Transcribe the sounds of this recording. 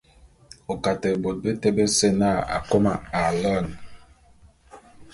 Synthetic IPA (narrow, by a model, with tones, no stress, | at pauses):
o˨ka˨tɛ˨bo˨t̚be˦te˦be˦se˦na˦˨a̰˨ko˦ma˨a˨lə˦˨n